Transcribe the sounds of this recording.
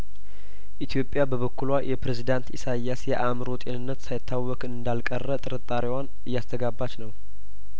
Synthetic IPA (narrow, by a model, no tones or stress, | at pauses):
ʔit̪ʰjo̞pʼːjabəβəkːulwajʔɛpɾezid̪ant̪ḭsajːasjɛʔamɾo̞t̪ʼenɨnːət̪sajɪt̪ʰːawːɔkʼɨnd̪alkʼərːət̪ʼɨɾɨt̪ʼːaɾiwan | ɨjːast̪ʰəɡabːat͡ʃnəw